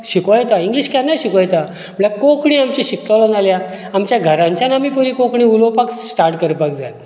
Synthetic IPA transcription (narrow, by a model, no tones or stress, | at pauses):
ɕikõjɛt̪aiŋɡliɕkãnːaɕikõjet̪a | məɽɭlakokɳiamt͡ɕiɕikt̪alɔnalja | amt͡ɕjaɡʱəɾãɲt͡ɕjanamiːpəɾikokɳĩːulopaksʈaɾʈkəɾpakd͡za̰j